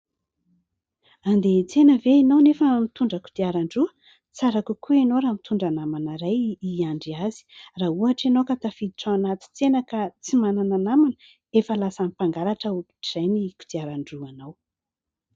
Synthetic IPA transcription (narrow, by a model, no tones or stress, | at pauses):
and̪et͡senəveinownefəmit̪uɳɖ͡ʐəku̥d̪iaɾaɳɖ͡ʐuə | t͡saɾakukʰuenoɾaːmit̪ʰuɳɖ͡ʐanamanaɾajiaɳɖ͡ʐiazi̥raːuaʈ͡ʂenokat̪afid̪iʈ͡ʂaanat̪i̥t͡senakat͡simanananamanə | efəlasamipaŋɡaɾaʈ͡ʂəuku̥ʈ͡ʂiz̥ajniku̥d̪iaɾaɳɖ͡ʐuanaw